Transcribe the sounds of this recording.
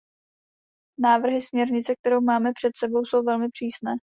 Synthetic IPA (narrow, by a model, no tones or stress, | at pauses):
naːvr̩ɦɪsmɲɛɾɲɪt͡sɛk̚t̪ɛɾowmaːmɛpr̥ɛt̪sɛbo̞wso̞wvɛlmɪpr̝̥iːsnɛː